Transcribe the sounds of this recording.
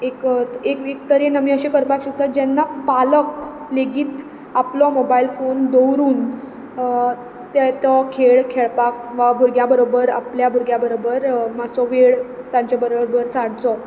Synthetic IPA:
ekekek̚t̪əɾenamiːəɕekəɾpakɕək̚t̪at̪̚d͡ʑɛnːapalək | leɡiːt̪ | aplɔmobailfond̪owɾuːn | t̪ɛt̪ɔkʰeɭkʰeɭpak̚ʋabʱuɾɡjabəɾobəɾa̰pljabʱuɾɡjabəɾobəɾmasɔʋeɭt̪ãɲt͡ɕabəɾobəɾsaɽt͡sɔ

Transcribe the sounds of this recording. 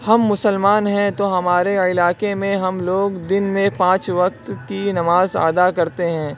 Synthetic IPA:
hɐmːʊsəlmaːnɦɛ̃t̪oɦɐmaːɾeɪlaːkemẽɦɐmloːɡd̪ɪnmẽpãːt͡ʃʋɐk̚t̪kinɐmaːza̰ːd̪akɐɾt̪eɦɛ̃ː

